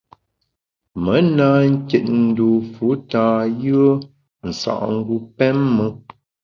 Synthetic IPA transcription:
mə˨˦na˦ŋ̩˦kjɛ˨t̚n̩˨˦du˨fu˨˦ta˨jɯ˦ə˦ | n̩˨sa̰˨ʔŋ̩˦ɡu˦pɛ˦mːə˦

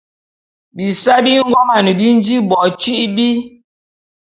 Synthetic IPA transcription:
bi˨sa˦bi˦ŋ̩˦ɡɔ˦ma˨ni˨bi˦n˦d͡ʒi˦bɔ˨t͡ʃi˦ʔbi˦

